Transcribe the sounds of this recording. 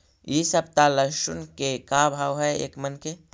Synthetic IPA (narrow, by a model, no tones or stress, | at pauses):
iːsɐb̚t̪aləʃʊnkekabʱaːwɦɛḛːkmɐnke